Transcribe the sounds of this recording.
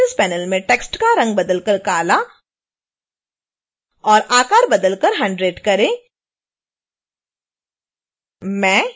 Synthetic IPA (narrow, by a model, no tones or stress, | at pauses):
ənspɛːnəlmẽʈeːksʈkaɾɐ̃ŋɡ̚bɐd̪əlkəɾkaːla | ɔːɾʔaːkaːɾbɐd̪əlkəɾɦɐ̃ɳɖɾeːɖkɐɾẽː | mɛ̃ː